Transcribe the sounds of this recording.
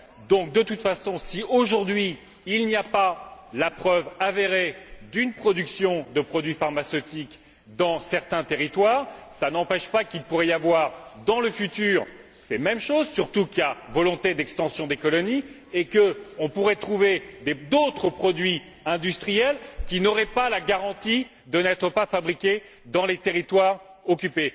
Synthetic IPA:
d̪ɔ̃k̚d̪ət̪ut̪fasɔ̃sioʒuʁd̪ɥiː | lniapalapχœvaveʁed̪ynpχɔd̪yksjɔ̃d̪əpχɔd̪ɥifaʁmasøt̪ik | d̪ɑ̃sɛʁt̪ɛ̃t̪eʁit̪waːʁsanɑ̃pɛʃpakʲilpuʁɛjavwaʁd̪ɑ̃ləfyt̪yːʁ | semɛmʃozsyʁt̪ukʲavɔlɔ̃t̪ed̪ɛkst̪ɑ̃sjɔ̃d̪ekɔlɔni | ekəɔ̃puʁɛt̪χuved̪ed̪ot̪χəpχɔd̪ɥi | ɛ̃d̪yst̪χijɛlkʲinɔʁɛpalaɡaʁɑ̃t̪i | d̪ənɛt̪χəpafabʁikʲe | d̪ɑ̃let̪eʁit̪waʁɔkʲype

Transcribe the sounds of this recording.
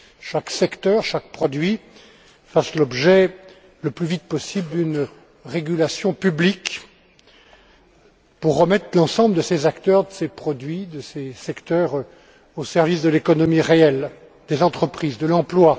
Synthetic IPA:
ʃaksɛkt̪œʁʃak̚pχɔd̪ɥi | faslɔbʒɛ | ləplyvit̪̚pɔsibld̪yn | ʁeɡʲylasjɔ̃pyblik | puʁːəmɛt̪χlɑ̃sɑ̃bləd̪əsezakt̪œʁd̪əsepχɔd̪ɥid̪əsesɛkt̪œʁ | osɛʁvisd̪əlekɔnɔmiʁeɛl | d̪ezɑ̃t̪χəpχizd̪əlɑ̃plwa

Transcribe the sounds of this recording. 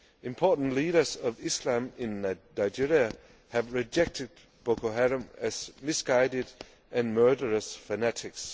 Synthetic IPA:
ɪ̃mpʰɔtn̩liːɾə˞sʌvislãmɪ̃nːanaɪd͡ʒiɹiə | hævɹid͡ʒek̚tʰɪd̚ | b̥okʰoɦæɾə̃mæz̥mɪsɡ̥aɪdɪd | ʔæ̃nmɜːdə˞əsfənætʰɪks

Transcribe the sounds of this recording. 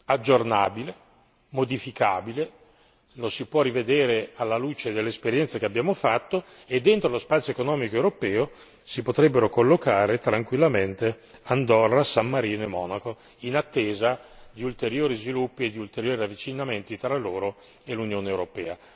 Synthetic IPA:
ad͡ʒːornaːbile | mod̪ifikaːbile | losipwɔrived̪eːɾealːaluːt͡ʃed̪elːeespeɾjɛnt̪sakeabjaːmofat̪ːo | ed̪ːent̪ɾolospat̪sjoekonɔːmikoewɾopɛːo | sipot̪ɾɛbːeɾokolːokaːɾet̪ɾaŋkwilːament̪eand̪ɔrasamːaɾiːnoemːɔ̰ːnako | inat̪ːeːzad̪iult̪eɾjoːɾizvilupːied̪ːiult̪eɾjoːɾiavːit͡ʃinament̪it̪ɾalːoːɾo | elunjoːneewɾopɛːa

